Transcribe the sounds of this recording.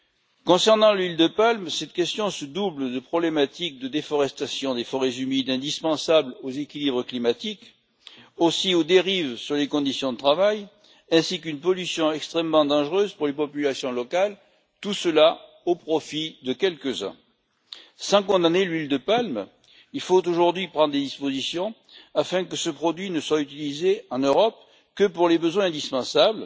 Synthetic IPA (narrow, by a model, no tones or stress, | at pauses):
kɔ̃sɛʁnɑ̃lɥild̪əpalmsɛt̪kʲɛst̪jɔ̃səd̪ubld̪əpχɔblemat̪ik̚d̪əd̪efɔʁɛst̪asjɔ̃d̪efɔʁɛzymid̪ɛ̃d̪ispɑ̃sablozekʲilibʁəklimat̪ik | osiod̪eʁivsyʁlekɔ̃d̪isjɔ̃d̪ət̪χavaj | ɛ̃sikynpɔlysjɔ̃ɛkst̪χɛmːmɑ̃d̪ɑ̃ʒʁøzpuʁlepɔpylasjɔ̃lɔkal | t̪usəla | opχɔfid̪əkʲɛlkəzɛ̰̃ | sɑ̃kɔ̃d̪anelɥild̪əpalm | ilfot̪oʒuʁd̪ɥipχɑ̃d̪ʁd̪ed̪ispozisjɔ̃ | afɛ̃kəsəpχɔd̪ɥinəswayt̪ilizeɑ̃nøʁɔp̚ | kəpuʁlebəzwɛ̃ɛ̃d̪ispɑ̃sabl